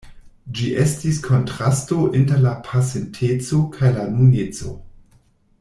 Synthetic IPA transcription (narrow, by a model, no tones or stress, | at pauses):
d͡ʒiʔe̞stiskʰo̞ntɾasto̞ʔinteɾlapʰasentʰet͡so̞kʰajlanunet͡so̞̰